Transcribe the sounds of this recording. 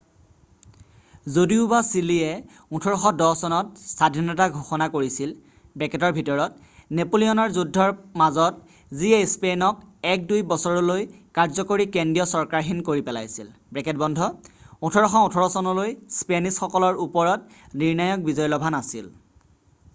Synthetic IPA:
zodiʊbasiliɛ | ũtʰɔɹɔxɔdɔsɔnɔtsadʱinɔtaɡʱuxɔnakoɹisil | bɛkɛtɔɹbʱitɔɹɔt̚ | nepolijɔnɔɹzudʱːɔɹmazɔt̚ | ziespenɔk̚ɛk̚dujbɔsɔɹɔlojkaɹzɔkoɹikendijɔsɔɹkaɹxinkoɹipɛla̰jsilbɹɛkɛt̚bɔndʱɔũtʰɔɹɔxɔũtʰɔɹɔsɔnɔlojspenisxɔkɔlɔɹupɔɹɔt̚ | niɹnajɔk̚bizɔjlɔbʱanasḭl

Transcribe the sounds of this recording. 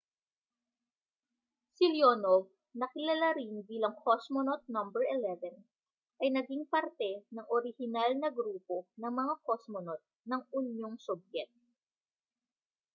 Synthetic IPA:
siljonov | nɐkɪlɐlaɾinbiːlɐŋkʰosmonot̪̚nɐmbɛɹʔɛlɛvɛn | ʔɐjnɐɡiŋpɐɾt̪ɛnɐŋʔoɾɪhɪnalnɐɡɾuːpo̞nɐŋmɐŋakosmonot̪̚nɐŋʊnjoŋsob̚jɛk̪̚

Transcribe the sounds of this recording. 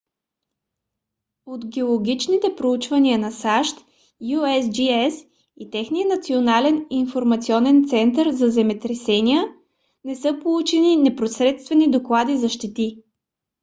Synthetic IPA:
ot̪ɡʲɛolˠoɡʲit͡ʃnit̪ɛpɾout͡ʃvɐniənɐsaʃt̪ | juɛsd͡ʒiɛs | it̪ɛxniənɐt̪sionalɛninfoɾmɐt̪siɔnɛnt̪sɛnt̪əɾzɐzɛmɛt̪ɾɛsɛniə | nɛsɤpolˠut͡ʃɛninɛpɾosɾɛt̪st̪vɛnid̪oklˠad̪izɐʃt̪ɛt̪i

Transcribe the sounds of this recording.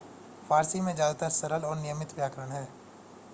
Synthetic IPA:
fʰaːɾsimẽd͡ʒaːt̪asəɾəlɔːɾnɪjəmɪt̪ʋjaːkɾəɽ̃ɦɛː

